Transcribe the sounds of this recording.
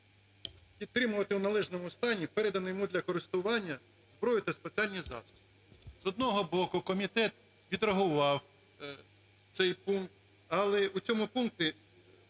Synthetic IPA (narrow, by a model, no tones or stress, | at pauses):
pʲid̪̚t̪ːɾɪmʊʋɐt̪ɪwnɐlˠɛʒnɔmʊst̪ɑnʲipɛɾɛd̪ɐnɪjɔmud̪lʲɐkɔɾɪst̪ʊʋɑnʲːɐ | zbɾɔjʊt̪ɛspet͡sʲiɑlʲnʲizɑ̰st̪ʊ̥t | zɔd̪nɔɦɔbɔkʊkɔmʲit̪ɛt̪ | ʋʲid̪rɐɦʊʋɑw | t̪sɛjpunkt̪ | ɐlˠɛut͡sʲɔmʊpunkt̪ɪ